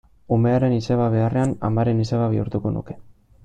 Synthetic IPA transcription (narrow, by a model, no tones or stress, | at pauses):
ume̞aɾe̞niseβaβ̞e̞are̞ana̰maɾe̞niseβaβ̞iṵɾt̪uko̞nṵke̞̥